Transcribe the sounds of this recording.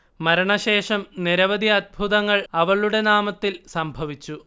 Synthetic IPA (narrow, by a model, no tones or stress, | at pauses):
mɐɾɐɳɐɕe̞ːʂɐmniɾɐʋɐd̪iɐd̪̚bʱuðɐŋːɐɭɐʋɐɭuɽe̞naːmɐt̪ːilsɐmbʱɐʋit͡ɕːu